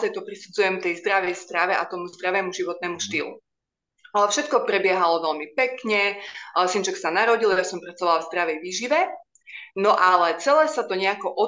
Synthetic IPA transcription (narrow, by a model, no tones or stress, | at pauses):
zajt̪ɔpɾisud͡zujɛmt̪ɛjzd̪ɾaʋɛjst̪ɾaʋɛʔa̰t̪ɔmuzd̪ɾaʋɛːmuʒiʋɔt̪̚nɛːmuʃt̪iːlṵ | alɛfʃɛt̪̚kɔpɾɛbɪɛɦalɔʋɛlmipɛkɲɛsint͡ʃɛksanaɾɔɟiljasɔmpɾat͡sɔʋalavzd̪ɾaʋɛjʋiːʒiʋɛ | nɔʔalɛt͡sɛlɛːsat̪ɔɲɛakɔʔɔ